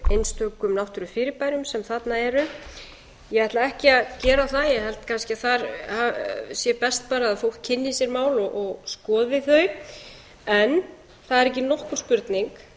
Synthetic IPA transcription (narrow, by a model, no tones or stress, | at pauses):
ejnst̪ʰœːkʏmnawht̪ʏɾʏfɪːɾɪɾpajɾʏmsɛmθat̪naɛɾʏ | jɛvajht̪laɛhcɪaðcɛːɾaawθaðjɛɣɦɛlt̪kʰanscɪaθaɾasjɛpɛst̪̚paːɾaːaðfowl̥t̪̚cʰɪnːɪisjɛɾmaːwlɔʔɔɣskɔːðvɪðθœɥ | ɛn | θaðɛɾɛhc̬ːɪnɔhkʏ̥spʏɾt̪niŋk